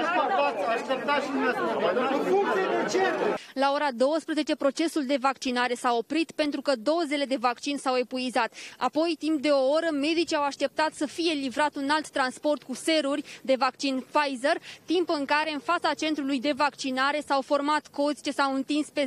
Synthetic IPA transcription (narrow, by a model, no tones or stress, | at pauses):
at̪aaʃt̪ep̚t̪aʃia | kueet͡ʃet̪ulao̞ɾad̪o̞wəspɾeze̞t͡ʃe̞pɾo̞t͡ʃe̞suld̪e̞vakt͡ʃinaɾe̞sao̞pɾit̪pe̞nt̪ɾukəd̪o̞ze̞le̞d̪e̞vakt͡ʃinsawe̞puizat̪a̰po̞jt̪impd̪e̞o̞oɾəme̞d̪it͡ʃiawaʃt̪e̞p̚t̪at̪səfije̞livɾat̪unalt̪ːɾanspo̞rt̪kuse̞ɾurʲd̪e̞vakt͡ʃinfajzert̪impɨŋkaɾe̞ɨnfat̪sat͡ʃe̞nt̪ɾulujd̪e̞vakt͡ʃinaɾe̞sawfo̞rmat̪ko̞zʲt͡ʃesawɨnt̪inspe̞